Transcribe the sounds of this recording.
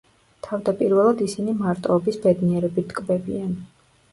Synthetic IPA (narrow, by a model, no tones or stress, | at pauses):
t̪ʰavd̪apʼiɾvɛlˠad̪isinimaɾt̪ʼɛɔbisbɛd̪niɛɾɛbit̪ʰkʼbɛbian